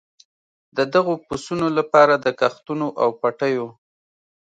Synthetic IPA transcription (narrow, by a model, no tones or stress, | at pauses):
d̪əd̪aɣopusunolapɑɾad̪əkaxt̪unoʔawpaʈəjo